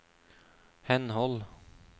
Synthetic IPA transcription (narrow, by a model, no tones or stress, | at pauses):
hɛnhɔl